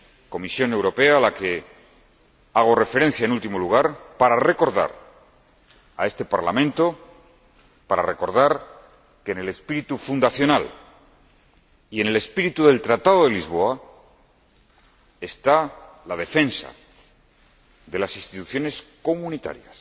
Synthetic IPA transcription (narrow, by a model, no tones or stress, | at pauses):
ko̞misjo̞ne̞wɾo̞pe̞aːlake̞ | aɣ̞o̞re̞fe̞ɾẽ̞n̟θjaenult̪imo̞luɣaɾpaɾare̞ko̞ɾða̰ɾ | ae̞st̪e̞paɾlamẽnt̪o̞ | paɾa̰re̞ko̞ɾð̞aɾ | kene̞le̞spiɾit̪ufund̪aθjo̞nal | ie̞ne̞le̞spiɾit̪uðe̞lt̪ɾat̪að̞o̞ðe̞lizβ̞o̞a | e̞st̪alað̞e̞fe̞nsa̰ | ðe̞lasinst̪it̪uθjo̞ne̞sko̞mũnit̪a̰ɾja̰s